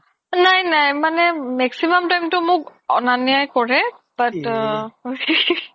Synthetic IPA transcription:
najnajmanɛmɛksimamtajmtʊmʊkɔ̰naniajkɔɹɛb̥at

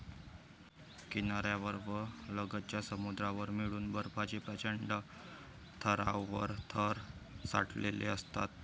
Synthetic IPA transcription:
kinaɾjaʋəɾbələɡət̪̚t͡ɕjasəmud̪ɾaʋəɾmiɽuːnbəɾpat͡ɕipɾət͡ɕəɳɖə | t̪ʰəɾawːə̰ɾt̪ʰəɾsa̰ʈʰlḛlḛəst̪a̰t̪̚

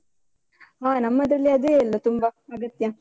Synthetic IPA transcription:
aːnɐmːɐd̪ɾɐliɐd̪eːɛlːɐt̪umbɐɐɡɐt̪jã

